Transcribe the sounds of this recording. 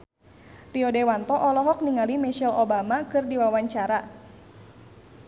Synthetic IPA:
riɔdɛwant̪ɔʔɔlɔɦɔk̚niŋalimɛʃɛlobamakɨrdiwawaɲt͡ʃaɾa

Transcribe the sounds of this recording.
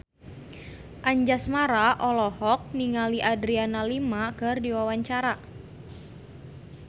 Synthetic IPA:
ʔaɲd͡ʒasmaɾaʔɔlɔhɔk̚niŋaliʔadɾianalimakɨrdiwawaɲt͡ʃaɾa

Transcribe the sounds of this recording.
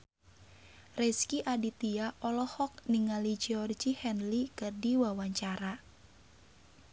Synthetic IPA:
rɛskiʔadit̪iaʔɔlɔhɔk̚niŋalid͡ʒiɔrd͡ʒihɛnlikɨrdiwawaɲt͡ʃaɾa

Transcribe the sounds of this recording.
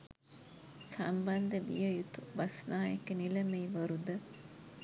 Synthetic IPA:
sɐmbɐnd̪ɐʋḭjɐjut̪uʋɐsnaːjekenilɐmeiʋɐɾud̪ɐ

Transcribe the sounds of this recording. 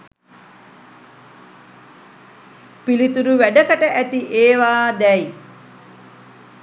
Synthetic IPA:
pilit̪uɾuʋæɖəkəʈəʔæt̪iʔeːʋaːd̪ɛi

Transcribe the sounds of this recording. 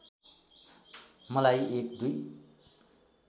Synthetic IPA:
mʌlajek̚d̪uj

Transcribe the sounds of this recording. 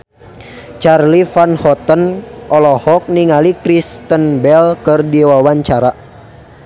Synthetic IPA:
t͡ʃarlifanhɔt̪ənʔɔlɔhɔk̚niŋalikɾist̪ənbɛlkɨrdiwawaɲt͡ʃaɾa

